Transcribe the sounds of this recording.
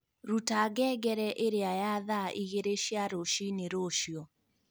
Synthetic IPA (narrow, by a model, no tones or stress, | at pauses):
ɾutaːɡɛɡɛɾɛʔeɾeajaðaʔiɣeɾeʃiaɾoʃineɾoʃiɔ